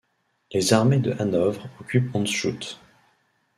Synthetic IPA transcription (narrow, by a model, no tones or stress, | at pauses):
lezaʁmed̪əʔanɔvʁɔkʲypɔ̃nʃut̪